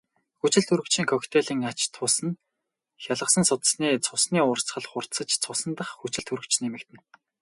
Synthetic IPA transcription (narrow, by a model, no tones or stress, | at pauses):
xut͡ɕɪ̆ɮɬt̪ʰuɾɘ̆kt͡ɕʰiːŋkʰɔkt̪ʰeɮiːŋat͡ɕt̪ʰʊːsə̆n | xʲjaɮʁə̆sə̆nsʊt̪̆sniːt͡sʰʊsniːʊːr̥t͡sχə̆ɮχʊr̥t̪sə̆t͡ɕt͡sʰʊsə̆nt̪ə̆χxut͡ɕɪ̆ɮt̪ʰuɾɵ̆kt͡ɕnemɘ̆kt̪ʰɘ̆n